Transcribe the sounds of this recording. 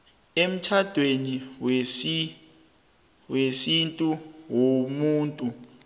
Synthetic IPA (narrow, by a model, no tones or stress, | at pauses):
em̩t͡ʃʰad̥ʱweniwesi | wesintʼuwomuːntʼu